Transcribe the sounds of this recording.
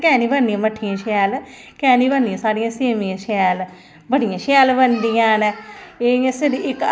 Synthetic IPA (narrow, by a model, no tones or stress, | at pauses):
kɛ̃ːniːbənijãːməʈʰːijãːʃɛːl | kɛːniːbənd̪ijãːsaːɽijãːseːmijãːʃɛːl | bəɽijãːʃɛːlbənd̪ijãːneːɪjãːseɾiːɪk